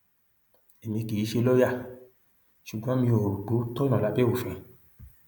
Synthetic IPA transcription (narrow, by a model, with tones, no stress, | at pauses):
e˨mĩ˧ki˨i˨˦ʃe˧lo˦ja˦˨ | ʃu˨ɡ͡bɔ̃˨˦mĩ˧o˨ɾu˨k͡po˨˦tɔ˦nɔ̃˨la˨˦be˦o˦˨fɛ̃˧